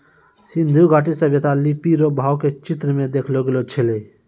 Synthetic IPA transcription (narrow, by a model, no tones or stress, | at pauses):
sɪ̃nd̪ʱuɡʱaːʈisəbjət̪alipiɾobʱaːwket͡ʃɪt̪ɾəmẽd̪eːkʰloɡelot͡ʃʰele